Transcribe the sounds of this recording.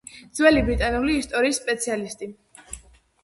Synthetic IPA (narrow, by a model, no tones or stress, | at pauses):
d̪zwɛlibɾit̪ʼanuliːst̪ʼɔɾiːsːpʼɛt̪sʰialist̪ʼi